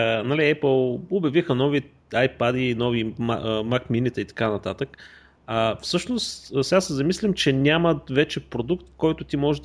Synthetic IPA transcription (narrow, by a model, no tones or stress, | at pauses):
ənɐliɛpəlˠobjɐvixənɔvi | ajpad̪inɔvima̰makminit̪ɛit̪ɐ̥kanɐt̪at̪ək | əfsɤʃnost̪sɛɡasɛzɐmislʲimt͡ʃɛnʲamɐt̪vɛt͡ʃɛpɾod̪ukt̪kɔjt̪ʊt̪imɔʒɛ